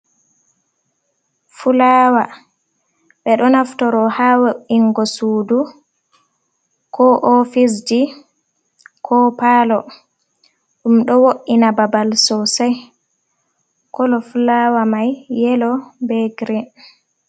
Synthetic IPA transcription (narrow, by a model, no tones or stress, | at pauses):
fulaːwa | ɓɛɗɔnaftɔɾɔhawoiŋɡɔsuːdu | kʰɔʔɔfis̬di | kʰɔpaːlɔ | ɗumɗɔwoʔːinababalsɔsɛj | kɔlɔfulawamajːɛlɔbɛɡɾin